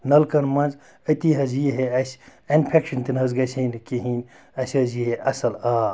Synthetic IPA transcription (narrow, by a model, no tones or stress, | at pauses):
nɐlkɐnmɐnz | ɐt̪iɦɐzjiɦeɐsʲɐnpʰekʃɐnt̪inɦɐzɡɐsʰɐnkiɦinʲ | ɐsʲɐziɦeʔɐsɐlaː